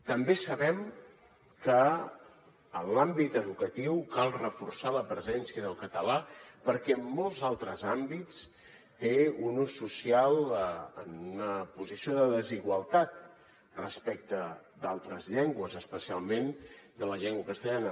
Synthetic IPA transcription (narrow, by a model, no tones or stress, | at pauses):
t̪əmbesəβɛm | kə | nlambit̪əðukət̪iwkalˠrəfuɾsaləpɾəzɛnsiəðəlˠkət̪əlapəɾkɛmːɔlˠzalˠt̪ɾəzambit͡s | t̪eunusːusialˠənunəpuzisioðəðəziɣwəlˠt̪at̪̚ | rəspɛk̚t̪əd̪alˠt̪ɾəzʎɛŋɡwəzəspəsialˠmend̪ələʎɛŋɡwəkəst̪əʎanə